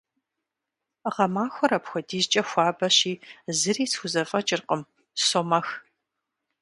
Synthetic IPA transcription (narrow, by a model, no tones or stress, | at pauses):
ʁɐmaːxʷɔɾɐpxʷɔdiːzt͡ʃʼɐxʷaːbɐɕiːzɨriːsxʷʊzɐfʼɐt͡ʃʼɪrqʼəm | soːmɐx